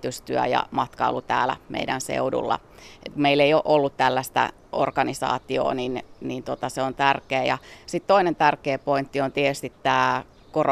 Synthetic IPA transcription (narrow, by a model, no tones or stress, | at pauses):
t̪yst̪yæ̰jɑ̰mɑt̪kɑ̰ulut̪æ̰ːlæ̰mʔḛidænsḛudṵlːɑ̰ | kumeilːeijoʔolːut̪t̪ælːæst̪æ̰ | ʔo̰rkɑnisɑ̰ːt̪io̰ːninnint̪ot̪ɑseont̪ærkeːjɑsit̪t̪oinent̪ærkeːpoint̪ːiont̪iet̪yst̪it̪tæː | kor